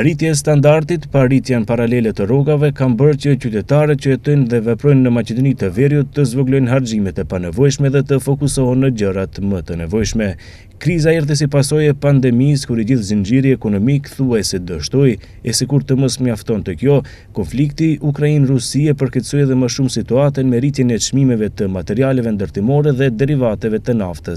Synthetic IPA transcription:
ɾit̪jɛs̬t̪and̪aɾt̪it̪paɾit̪janpaɾalɛlɛt̪ərɔɡavɛkambəɾt͡ɕət͡ɕyt̪ɛt̪aɾɛt̪t͡ɕəɛt̪ɔjnðɛvɛpɾɔjnːəmat͡ʃɛd̪ɔnit̪əvɛɾjut̪ːəzvɔɡlɔjnɦaɾd͡ʑimɛt̪ɛpanɛvɔjʃmɛðɛt̪əfɔkusɔɦɔnːəɟərat̪əmət̪ənɛvɔjʃmɛ | kɾizaɛɾðəs̬ipasɔjɛpand̪ɛmiskuɾid͡ʑiθzənd͡ʑiɾjiɛkɔnɔmikθuajsɛd̪əʃt̪ɔj | ɛsikuɾt̪əməsmɲaft̪ɔnt̪ɛkjɔ | kɔnflikt̪iʔukɾainrusiapəɾkɛt̪sɔjɛðɛməʃumsit̪uat̪ənmɛɾit̪jɛnɛt͡ʃmimɛvɛt̪əmat̪ɛɾialɛvɛnd̪əɾt̪imɔɾɛðɛd̪ɛɾivat̪ɛvɛt̪ənaft̪əs

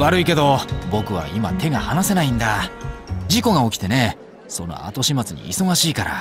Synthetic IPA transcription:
βaɾɯ̟ike̞d̪o̞bo̞kɯ̟βa̰ima̰t̪e̞ɡahanase̞naĩnd̪a | d͡ʑiko̞ɡao̞kʲi̥t̪e̞ne̞ | so̞no̞̰a̰t̪o̞ɕimat͡sɨɲḭːso̞ɡaɕiːkaɾa̰

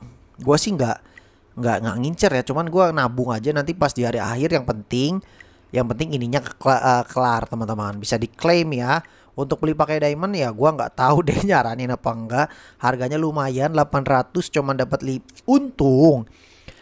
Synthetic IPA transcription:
ɡuasɪhŋɡaʔ | ŋɡa̰ʔŋɡaʔŋiɲt͡ʃərjat͡ʃumanɡuanabʊŋad͡ʒanant̪ipasdiɦaɾia̰hɪrjaŋpənt̪ɪŋ | jaŋpənt̪ɪŋiniɲakə̥kaʔəkəlart̪əmant̪əmanbisadiklemja | unt̪ʊk̚bəlipakajdaimanjaɡuaŋɡa̰ʔt̪audeɲaɾaninapaŋɡa | harɡaɲalumajanlapanrat̪ʊst͡ʃumandapat̪liunt̪ʊŋ

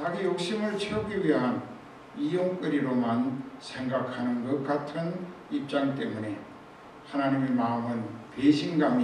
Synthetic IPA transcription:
tʰaɡijoksimɯɭt͡ɕʰeokːiwiɦan | ijoŋkɯɾiɾomansʰeŋɡakʰanɯmɡɯkatʰɯn | ip̚t͡ʃ͈aŋtemune | hananimimamɯnpesʰiŋɡami

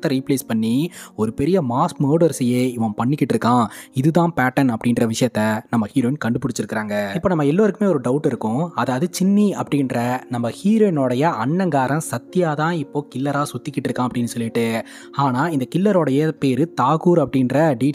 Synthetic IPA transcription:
t̪ːɐɾiːpleːspɐɳːiɔɾɯpɛɾɪjɐmaːskmoːɽɐɾsɪjeːɪʋɐ̃pɐɳːɪkːɪʈːɪɾɯkːãːɪðɯt̪ãːpaːʈːɐnɐpːɐɽɪnrɐʋɪʂɐjɐt̪ːɐnɐmːɐhiːɾoːɪnkɐɳɖɯpʊɽɪt͡ʃːɪɾɯkːɪɾaːŋɡɐɪpːoːnɐmːɐɛlːoːɾɯkːɯmeːɔɾɯɖɐʊʈːɪɾɯkːʊ̃ɐðɐðɯt͡ʃɪnːiɐpːɐɽɪɪnɾɐnɐmːɐhiːɾoːɪnoːɽɐjɐɐɳːɐŋɡaːɾɐ̃sɐt̪ːɪjaːt̪ãːɪpːoːkɪlːɐɾaːsʊt̪ːɪkːɪʈːɪɾɯkːãːɐpːɐɽɪnːɯsɔlːɪʈːɯ | aːnaːɪnd̪ɐkɪlːɐɾoːɽɐjɐpeːɾɯt̪aːɣuːɾɐpːɐɽɪnɾɐɖiː

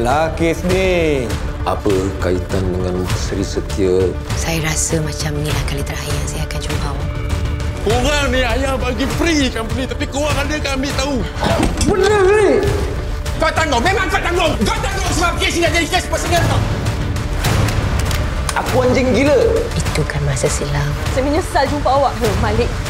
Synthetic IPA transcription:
lakesni | a̰pəkait̪andəŋanəsəɾisət̪iə | sajaɾasəmãt͡ʃamnĩlahkalit̪əɾajahsajaːkant͡ʃobaw | koɣaŋnĩajahbaɡipɾikanpɾit̪apikowaŋadəkanambɪʔt̪au | bənəwi | ɡaʔt̪aŋɔmemãŋkaʔt̪aŋɔŋɡat̪aŋɔŋsəmapkesinaʔd͡ʒadikaspasəŋat̪ɔ | akuand͡ʒəŋɡiləit̪ukanmasəsilaŋsəmiɲəsald͡ʒumpaawaʔɦəmalɪʔ̚

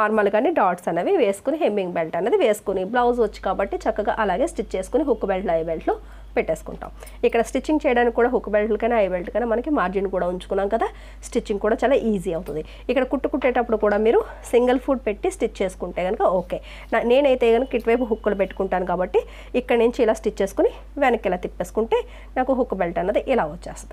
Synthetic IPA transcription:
naːɾmɐlɡaːneːɖaːʈsɐnːɐʋiʋe̞ːsu̥kuniɦembiŋɡbelʈɐnːeɐːd̪iʋe̞ːsu̥kuniblɐwzʋɐt͡ʃːi̥kaːbɐʈːit͡ʃɐkːɐɡa̰ːʔɐlaːɡe̞ːsʈit͡ʃːt͡ʃe̞ːsu̥kuniɦukːubelʈlɐjbelʈlu | peʈːeːsu̥kṵɳʈa̰ːm | ikːɐɽɐsʈit͡ʃːiŋɡt͡ʃɛːjɐɽaːnkikːuːɽaːɦukːubelʈlukɐjnaːɐjbelʈkɐjnaːmɐnɐkimaːɾd͡ʒinkuːɽaːuɲt͡ʃu̥kunːaːmkɐd̪aː | sʈit͡ʃːiŋɡkuːɽaːt͡ʃaːlaːʔiːziɐwt̪und̪i | ikːɐɽɐkuʈːukuʈːeːʈɐpːuɽukuːɽaːmiːɾu | siŋɡɐlpʰuːɖ̚pe̞ʈːisʈit͡ʃːt͡ʃe̞ːsu̥kuɳʈeːɡɐnukɐoːke̞ː | nane̞ːnɐjt̪eːɡɐnukɐkiʈʋɐjp̬uɦukːulup̬eʈːu̥kuɳʈaːnukaːbɐʈːiː | kːɐɽɐniɲt͡ʃiːlaːsʈit͡ʃːt͡ʃe̞ːsu̥kuni | ʋenɐkːilaːt̪ipːe̞ːsu̥kuɳʈe̞ː | naːkuɦukːubelʈɐnːɐd̪iʔilaːot͡ʃːḛːst̪d̪i

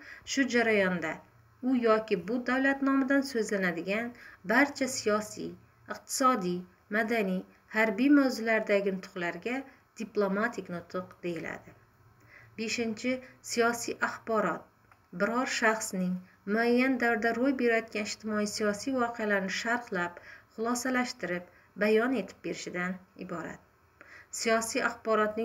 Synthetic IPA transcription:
ʃʊd͡ʒaɾajɒnd̪a | ʊjɒkʲɪbʊd̪awlat̪nɒmad̪ansɵzlanad̪ɪɡʲanbaɾt͡ʃʰasijɒsḭj | ɨqt̪ʰɪ̥sɒd̪ij | mad̪anij | haɾbijmawzʊlaɾd̪aɡʲɪnt̪ʰʊ̥qlaɾɡʲa | d̪̥iplˠo̞mat̪ʰɪkʲnʊt̪ʰʊqd̪̥e̞jɪla̰d̪ɪ | be̞ʃɪnt͡ʃʰɪsijɒsijʔaχbɒɾɒt̪̚ | bɪɾɒɾʃaχsnɪŋ | mʊajːand̪awɾɪd̪aɾojbe̞ɾajɒt̪̚kʲanɪʃt̪ɪmɒijsijɒsijvɒqʰealaɾɪnɪʃaɾqlapχʊlˠɒsalaʃt̪ɪɾɪp̚ | bajɒne̞t̪ʰɪ̥p̚be̞ɾɪʃɪd̪anɪbɒɾa̰t̪̚ | sijɒsijaχbɒɾɒt̪nɪ

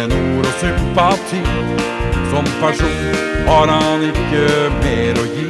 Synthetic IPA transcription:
ənuːɾɔsʏmpɑt̪ʰiː | sɔmpæʂuːn | hɑɾhɑnɪkːəmeːɾɔji

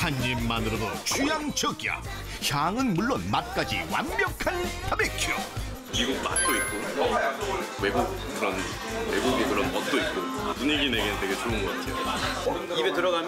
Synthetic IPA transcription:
hanɲimːanɯɾodot͡ɕʰujaŋt͡ɕʰʌɡa̰ | çaŋɯnmuɭːonmat̚k͈ad͡ʑḭwa̰nmjʌkʰantʰabekʰo | miɡuk̚ma̰t̚t͈oit̚k͈o | webok | kɯɾʌn | weboɡemuɭːonʌt̚t͈oit̚k͈o | muɲeɡineɡenɯndeɡe̞t͡ɕoɯnɡʌt͡ɕʰeo | ibetɯɾʌɣam

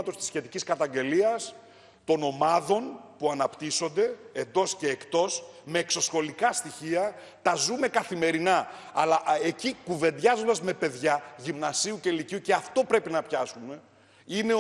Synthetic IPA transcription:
ɐt̪o̞st̪i̥sçe̞t̪iciskɐt̪ɐɲɟe̞liɐs | t̪o̞no̞mɐðo̞npuɐnɐpt̪iso̞nd̪e̞ːnd̪o̞sce̞ːkt̪o̞sme̞ːkso̞sxo̞likɐst̪içiɐ | t̪ɐzume̞kɐθime̞ɾinɐːlɐʔecikuve̞nd̪ʝɐzo̞nd̪ɐzme̞pe̞ðʝɐʝimnɐsiuceiliciuce̞ɐft̪o̞pɾe̞pinɐpçɐsume̞ | ine̞

